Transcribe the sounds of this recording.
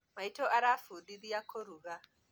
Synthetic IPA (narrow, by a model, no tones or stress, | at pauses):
maitʰɔʔaɾafudiðijakʰoɾuɣa